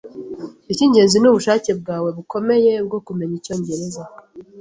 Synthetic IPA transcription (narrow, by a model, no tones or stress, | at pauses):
iciːɲɟe̞ːnzinuβuʃaːce̞b̚ɡaːwe̞βuko̞me̞je̞β̚ɡo̞kume̞ɲico̞ːɲɟe̞ɾe̞za